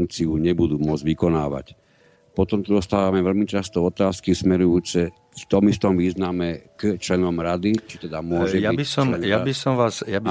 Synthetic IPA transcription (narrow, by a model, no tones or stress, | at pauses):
ŋkt͡siuɲɛbud̪uːmʊɔd͡zʋikɔnaːʋa̰c | pɔt̪ɔmt̪ud̪ɔst̪aːʋamɛʋɛlmit͡ʃast̪ɔɔt̪aːskismɛɾujuːt͡sɛ | ft̪ɔmist̪ɔmʋiːznamɛkt͡ʃlɛnɔmɾad̪it͡ʃit̪ɛd̪amʊɔʒɛjabisɔmjabisɔmʋaːzjab